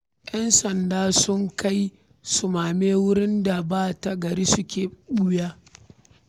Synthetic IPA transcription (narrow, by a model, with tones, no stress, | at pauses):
jɐ˦nsɐ˨ndaː˦sʊ˦ŋka˦j | sʊ˨maː˨meː˦wʊ˦ɾɪ˦nda˨baː˦ta˨ɡɐ˨ɾiː˦sʊ˦kʲeː˨ɗʊ˦jaː˦